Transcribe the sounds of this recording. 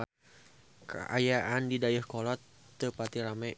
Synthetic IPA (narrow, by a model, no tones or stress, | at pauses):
kə̰ʔa̰jaʔandidajəhkɔlɔt̪ː | əpat̪iɾama